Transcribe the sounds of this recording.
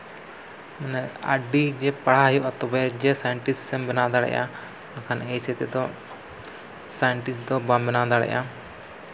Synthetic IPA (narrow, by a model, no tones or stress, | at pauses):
mɛnɛa̰ɖid͡ʒɛpaɽ̤ajɔʔat̪ɔbɛd͡ʒɛsajɛɳʈissɛmbɛnad̪aɽɛ̰ʔa̰ | akʰanɛjsɛt̪ɛd̪ɔ | sajɛɳʈisd̪ɔbambɛnad̪aɽɛ̰ʔa